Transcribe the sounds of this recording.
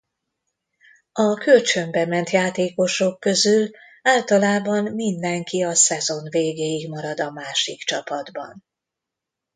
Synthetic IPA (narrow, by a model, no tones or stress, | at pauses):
ɒkølt͡ʃø̞mbɛmɛnt̪jaːt̪eːko̞ʃo̞kːø̞zyl | aːlt̪ɒlaːbɒnmind̪ɛŋkiɒsɛzo̞nveːɡeːjiɡmɒɾɒd̪ɒmaːʃikt͡ʃɒpɒd̪bɒ̰n